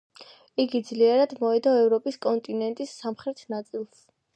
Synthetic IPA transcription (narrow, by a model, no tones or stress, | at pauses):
iɡid̪zliɛɾad̪mɔɛd̪aɛvɾɔpʼiskʼɔnt̪ʼinɛnt̪ʼisːamχɾɛt̪ʰnat̪sʼilˠs